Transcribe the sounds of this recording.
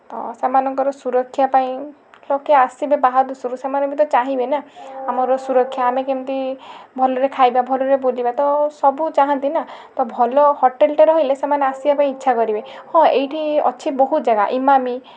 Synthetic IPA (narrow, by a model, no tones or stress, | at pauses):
ɔ̰semanɔŋkɔɾɔsuɾɔkʰːjapaĩ | lɔkeasibebaɦad̪usuɾusemanmit̪̬ɔt͡ʃaɦĩbenaamɔɾɔsuɾɔkʰːjaamekemt̪ibʱɔlɔɾekʰajbabʱɔlɔɾebolibat̪ɔsɔbut͡ʃaɦant̪inat̪ɔbʱɔlɔhɔʈelʈɔɾɔɦojlesemaneasibapaĩːtːʃʰakɔɾibehɔ̃ejʈʰiɔ̰t͡ʃʰibɔɦut̪ɔd͡ʒaɡaʔimami